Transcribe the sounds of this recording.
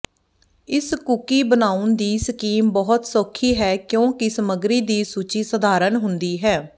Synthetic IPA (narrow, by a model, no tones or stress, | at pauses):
ɪskʊkiːbənaːʊnd̪iːsəkiːmbɔɦʊt̪soːkʰːiːɦɛːkjõːkɪsəməɡɾiːd̪iːsuːt͡ʃiːsəd̪ʱaːɾənɦʊnd̪iːɦɛː